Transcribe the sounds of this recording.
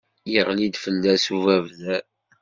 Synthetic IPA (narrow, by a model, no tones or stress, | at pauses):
jəʁlid̪fənd̪æsuvævðæ